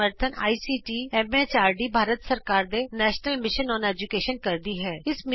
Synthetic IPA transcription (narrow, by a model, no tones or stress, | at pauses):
əɾt̪ʰəna̰ːisiːʈiɛmeːt͡ʃaːɾɖibʱaːɾət̪sɐɾkaːɾd̪enɛːʃnəlmɪʃənɔːneːd͡ʒʊkeːʃənkɐɾd̪iɦɛːɪsmɪ